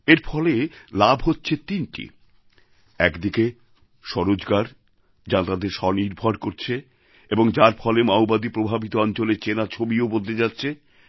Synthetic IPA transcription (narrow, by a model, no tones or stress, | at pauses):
eɾfʰɔlelabʱɦotːɕʰet̪inʈḭ | ɛkd̪ike | ʃɔɾod͡ʑɡaɾ | d͡ʑãt̪ad̪eɾʃɔniɾbʱaɾkoɾt͡ɕʰe | eboŋd͡ʑaɾfʰɔlemaobad̪ipɾobʱabit̪oɔnt͡ɕolet͡ɕenat͡ɕʰobiobod̪ʱed͡ʑatːɕʰe